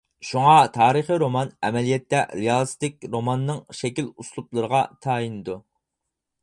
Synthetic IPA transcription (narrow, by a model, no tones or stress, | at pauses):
ʃuŋɑt̪ʰɑːɾəχiɾomɑnɛ̰mɛlijɛt̪ːɛɾijɑlˠst̪ɪk̚ʲɾomɑnːɨŋʃɛkʲiluslˠuplˠɨɾəʁɑt̪ʰɑːjinɨd̪u